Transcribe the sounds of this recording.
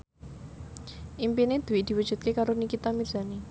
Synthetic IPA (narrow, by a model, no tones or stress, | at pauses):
ʔimpined̪̥ṳwiʔd̪̥i̤wəd̥ʒ̥ṳt̪̚kekaɾonikit̪amiz̥a̤ne